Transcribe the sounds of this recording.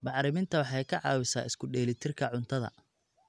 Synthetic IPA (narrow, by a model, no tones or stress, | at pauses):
mɑħɾɪmɪnt̪ʰɐwɑħɑjkʰɐʕɑ̰ːwɪsa̰ːɪskʰʊɖɛːlɪt̪ʰɪrkʰɐʕʊnt̪ʰɐðɐ̰